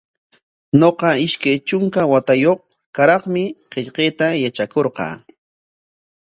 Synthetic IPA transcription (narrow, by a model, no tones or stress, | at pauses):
ɲoqɑɪʃkajt͡ʃʊŋkawat̪ajoχ | kaɾɑχmɪqeʎqeːt̪ajat͡ʃakoɾqɑ̰ː